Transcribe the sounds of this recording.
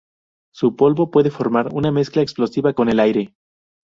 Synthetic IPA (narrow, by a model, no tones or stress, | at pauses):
supo̞lβo̞pwe̞ðe̞fo̞ɾmaɾṵname̞sklaeksplo̞siβako̞ne̞lajɾe̞